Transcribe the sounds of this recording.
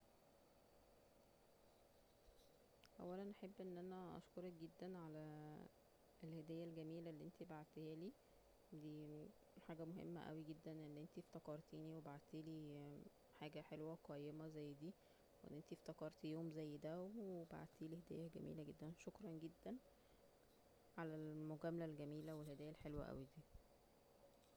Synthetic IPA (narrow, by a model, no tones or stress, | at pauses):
ʔæ̰wːælænʔaħebːʔenːʔænæʔɑ̰ʃkoɾˤɑk̚ɡed̪ːænʕalæ | elhed̪æːjːælɡæmiːlælːiʔent̪ibaʕt̪ehæːliː | d̪iː | ħaːɡæmoɦḛmːæ̰ʔæ̰wiɡed̪ːænʔenːʔent̪ieft̪ækɑɾˤt̪iːniwebaʕt̪iːliː | ħaːɡæħelwæɡæjːemæzæjːd̪iː | weʔḛnːʔent̪ift̪ækɑɾˤt̪joːmzæjːd̪æwweba̰ʕd̪t̪iːlihed̪æ̰ːjːæɡæ̰mḭːlæɡed̪ːænʃokɾˤɑnɡed̪ːæn | ʕalælmoɡæːmælælɡæmiːlæwelhed̪æːjːælħelwæ̰ʔæ̰wid̪iː